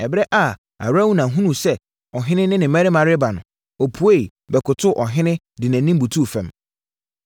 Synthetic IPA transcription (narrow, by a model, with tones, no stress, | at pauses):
ɛ˨bɾɛ˦ʔa˨ | a̰˨wɾa˦wu˦nã˨ɦũ˦nũ˨sɛ˦ | ɔ˨ɦɪ̃˦nɪ̃˦nɪ̃˦nɪ̃˨mɛ̃˦ɾɪ˦mã˨ɾɪ˦ba˨nʊ̰̃˨ | ɔ˨pʰu˨˦e˦i˨ | bɛ˨kʊ˨tʰʊ˦ʔɔ˨ɦɪ̃˦nɪ̃˦ | dɪ˨næ̃˨nĩ˦m˦bu˨tʰu˦˨fɛ̃˨m